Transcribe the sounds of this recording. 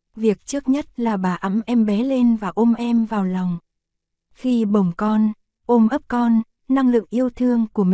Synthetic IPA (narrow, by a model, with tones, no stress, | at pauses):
vi˨˩ək̚t͡ɕɨ˦˥ək̚ɲə˦˥t̚laː˨˩ɓaː˨˩ʔə˨˧˥mʔɛ˧mɓɛ˨˦le˧nvaː˨˩ʔo˧mʔɛ˧mvaː˨˩wlɔ˨˩wŋ͡m | xi˧ɓə˨˩wŋ͡mkɔ˧n | ʔo˧mʔə˦˥p̚kɔ˧nː | a˧ŋlɨ̰˧˨ŋʔi˧əwt̪ʰɨ˧əŋku˧˩əmi˨